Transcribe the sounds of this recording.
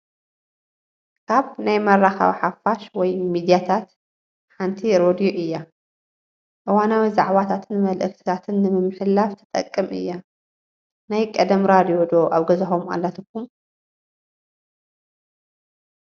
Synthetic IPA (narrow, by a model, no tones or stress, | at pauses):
kʰaβnajmɐrːaxa̰βħafaʃwɔjmid̪ijat̪ʰat̪ | ħant̪ʰiɾod̪ijoʔɨjːa | ʔɨwanawizaʕβat̪ʰat̪ʰɨnmɐlʔɨkt̪ʰi̥t̪ʰat̪ʰɨnːɨmɨmːɨħɨlːaft̪ʰɐ̥t̪ʼɐ̰kʼːɨmʔɨ̰jːa | najkʼɐd̪ɐmɾad̪ijo̞d̪o̞ʔaβɡɐzɐxoma̰lːat̪ʰɨkːum